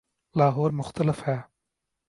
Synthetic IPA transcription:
laːɦoːɾmʊxt̪ʰələfhɛ

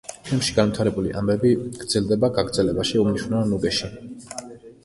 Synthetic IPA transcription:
d͡ʒʰɛmʃiɡanvit̪ʰaɾɛbulḭʔa̰mbɛbiɡ̥ɾd̪zɛld̪ɛbaɡaɡɾd̪zɛlɛbaʃiumniʃwnɛɔnuɡɛʃi

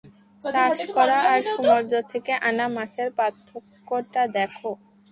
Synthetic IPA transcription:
ʃaʃkɔɾaʔaɾʃumoɾd̪ot̪ʰekeʔanamaʃeɾpat̪ʰːokːoʈad̪ɛkʰo

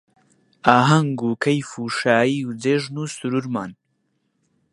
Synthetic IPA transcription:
aːɦɐŋɡuːkʰɐjfuːʃaːiːwd͡zeːʒnusuɾuɾma̰ːn

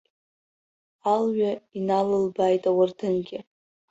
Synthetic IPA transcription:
alɥainalɨlbaːjtʼawardʰɨnɡʲɪ

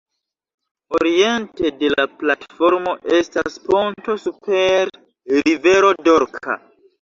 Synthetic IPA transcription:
o̞ɾie̞nte̞de̞laplatfo̞ɾmo̞ʔe̞stasponto̞supʰe̞ɾ | ɾive̞ɾo̞do̞ɾkʰa̰

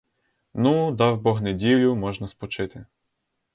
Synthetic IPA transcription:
nud̪ɑwbɔɦnedʲilʲʊmɔʒnɐspɔt͡ʃɪt̪ɪ

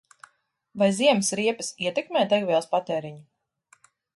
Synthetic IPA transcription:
vajziɛmsɾiɛpɐsiɛt̪ɛkmɛːt̪ɛɡviɛlˠspat̪ɛːɾiɲu

